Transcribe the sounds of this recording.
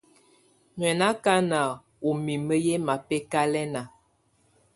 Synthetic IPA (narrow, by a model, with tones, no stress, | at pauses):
ɲwɛ˨na˦ka˦na˨ | o˨mi˨mə˦jɛ˦ma˨pɛ˦ka˦lɛ˦na˨